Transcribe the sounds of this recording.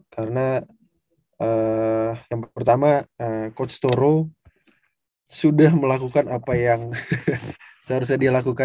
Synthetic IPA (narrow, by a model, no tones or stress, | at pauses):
kaɾəna | ə | jaŋpərt̪amaəkɔt̪st̪oɾo | sudahməlakukanapajaŋ | saaɾus̬adialakuka